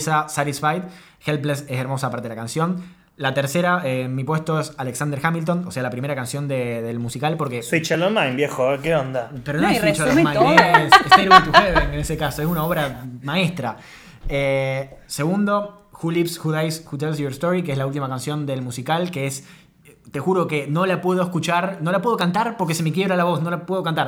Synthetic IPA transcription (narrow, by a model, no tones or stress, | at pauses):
sasaɾisfajt̪ | xelpleseseɾmo̞sapaɾt̪eelakansjon | lat̪eɾseɾaemipwe̞st̪o̞esaleksand̪eɾxamilt̪o̞nose̞alapɾime̞ɾakansjo̞nd̪eðelmusikalpo̞ɾkeit͡ʃalomajnbjexokeond̪apeɾonoait͡ʃolomãjoeseseɾuket̪ut̪eβeŋenesekaso̞esunao̞βɾamaest̪ɾa | ese̞ɣund̪o̞ | xulipsxuðajsxut̪̬els̬ieɾst̪oɾik̬eezlault̪imakansjo̞nd̪e̞lmusikalkees | t̪e̞xuɾo̞keno̞lapwe̞ð̞oeskut͡ʃaɾno̞lapwe̞ð̞o̞kant̪aɾpo̞ɾkesemek̬je̞βɾalaβo̞sno̞lapwe̞ð̞okant̪aɾ